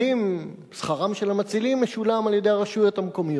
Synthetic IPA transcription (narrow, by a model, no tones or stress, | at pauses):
im | sχaʁamʃe̞lamat͡silimːeʃulamaljed̪e̞jaʁaʃujot̪hamko̞mijo